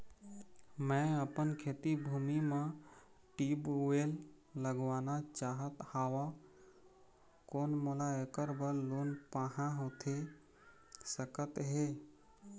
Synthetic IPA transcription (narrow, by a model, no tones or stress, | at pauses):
mɛ̃əpənkʰeːt̪ibʱuːmimẽ | ʈiːbelː | əɡʋaːnat͡ʃaːɦət̪haːʋa | koːnmoːlaekəɾbəlloːnpaːɦãɦoːt̪ʰe | səkət̪ɦeː